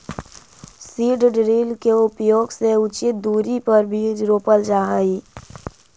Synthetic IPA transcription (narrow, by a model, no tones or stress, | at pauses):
siːɖɖɾiːlkeʊpjoːɡseʊt͡ʃɪt̪̚d̪uːɾipəɾbʱiɾoːpəld͡ʒaːɦiː